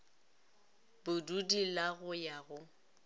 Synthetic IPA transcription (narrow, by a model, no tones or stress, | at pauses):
bʊdudilaɣʊjaɣʊ